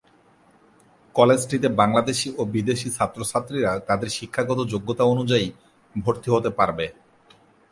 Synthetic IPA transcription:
kɔled͡ʑʈit̪ebaŋlad̪eʃiʔobid̪eʃisat̪ːɾosat̪ːɾiɾat̪ad̪eɾʃikʰːaɡɔt̪̬od͡ʑoɡːot̪aonud͡ʑai | bʱoɾt̪iɦot̪epaɾbe

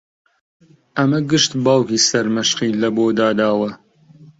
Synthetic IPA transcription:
ʔɐmɐɡɨʃt̪baːwkiːsɐɾmɐʃqiːlɐboːd̪aːd̪aːwɐ

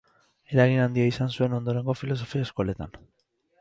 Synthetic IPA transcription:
e̞ɾaɣinand̪iaisansue̞no̞nd̪o̞ɾe̞ŋɡo̞filo̞so̞fiaesko̞le̞t̪an

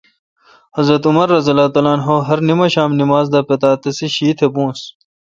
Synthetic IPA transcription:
hɐzɾɐt̪umɐɾːɐzɐlaːt̪ɐlaːnɦoːɦɐɾnimɐɕaːmnimaːzd̪aːpet̪aːt̪ɐsiɕiːt̪ʰebũːs

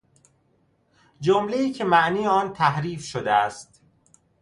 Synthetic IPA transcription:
d͡ʒomleiːcʰe̞mæʔniːjeɒːnt̪ʰæhɾiːfʃod̪eæst̪

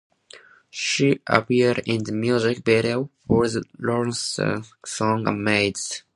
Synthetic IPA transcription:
ʃiʔə̰piɾɪ̃nðəmjuzɪk̚bɛɾifɔɹðəlɔɹə̃nssɔ̃ŋəmeɪdz̥

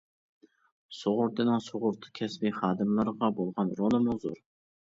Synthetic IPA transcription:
soʁʊɾd̪ɨnɑŋsoʁʊɾt̪ʰɨ̥kʲʰɛsbiχɑːd̪ɨmlˠɨɾʁɑbolˠʁɑnɾonɨmʊzo̰ɾ

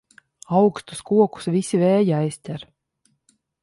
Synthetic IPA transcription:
awkst̪u̥skuɔku̥svisʲivɛːjiajsʲt̪ʲɛɾ

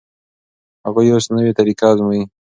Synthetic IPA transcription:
haɣujosnəwet̪aɾikazmai

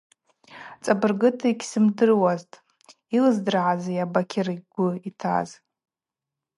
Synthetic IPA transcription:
t͡sʼabɨrɡɨtʰaiɡʲsɨmdɨrwaztʼ | ilɨzdɨrʕazajabakʲʰɪrɡ̥ʷʊitʰa̰z

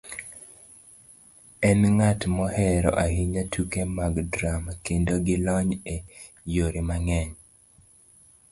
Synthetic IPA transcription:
ɛnŋatmɔhɛɾɔ̰ʔahiɲatʰukemaɡdɾamkendoɡɪlɔɲe | joɾimaŋɛɲ

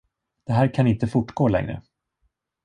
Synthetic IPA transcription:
d̪̥ɛɦæːɾkʰanɪnt̪əfʊʈɡoːlɛ̰ŋɾə̰

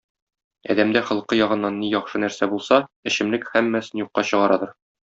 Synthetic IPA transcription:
ɒ̰d̪æmd̪æχɤ̆lˠqːɤjɒʁɤ̆nːɑnːijɒχʃɤnæɾsæbulˠsɑɘ̆ɕɘ̆mlɘkhæmːæsɘnjuqːɑɕɤ̆ʁɑɾɑd̪ɤɾ

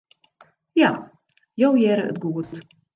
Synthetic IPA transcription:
ja | jowjɛɾəə̰tɡuət

